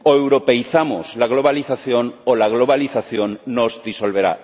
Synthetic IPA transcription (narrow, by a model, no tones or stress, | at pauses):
oewɾope̞jθamozlaɣ̞lo̞βaliθaθjonolaɣ̞lo̞βaliθaθjonːozdiso̞lβ̞e̞ɾa̰